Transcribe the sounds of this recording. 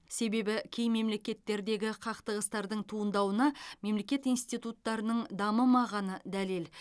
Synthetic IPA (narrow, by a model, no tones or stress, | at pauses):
se̞be̞bɪkʲʰe̞jme̞mle̞kʲe̞t̪ːe̞ɾd̪e̞ɡʲɪqʰɑqt̪əʁəst̪ɑɾd̪əɴt̪ʰuənd̪ɑwənɑme̞mle̞kʲe̞t̪ijnst̪ijt̪ut̪ːɑɾənəɴd̪ɑməmɑʁɑnəd̪ælel